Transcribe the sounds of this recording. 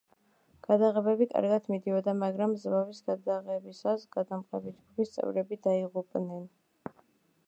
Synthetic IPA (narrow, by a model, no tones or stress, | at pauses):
ɡ̥ad̪aʁɛbɛbikʼa̰ɾɡat̪ʰmid̪iɔd̪amaɡɾamzɾavisɡad̪aʁɛbisasɡ̥ad̪amqʼɛbid͡ʒɡupʰist̪sʼɛ̰vɾɛbid̪aiʁupʼnɛn